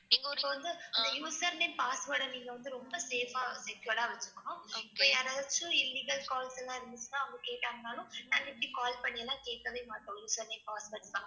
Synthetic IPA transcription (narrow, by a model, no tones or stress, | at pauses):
niːŋɡɐɔkːɐʋɐnd̪ɯɐnd̪ɐjuːsɐɾneːmpaːsʋɐːɾɽɐniːŋɡɐʋɐnd̪ɯɾɔmbɐseːfaːsɛkjɐːɽaːʋɐt͡ʃːɯ̥kːõːɪpːoːjaːɾɐðɐt͡ʃːɯɪlːiːɡɐlkaːlsɛlːãːɪɾɯnd̪ɯt͡ʃːɯnaːʊŋɡɐkeːʈːaːŋnaːlʊ̃naːŋɡɐɛpːɐɽikaːlpɐɳːɪjɛlːãːkeːʈːɐʋɐɪmaːʈːõjuːsɐɾneːmpaːsʋɐːʈsd̪ãː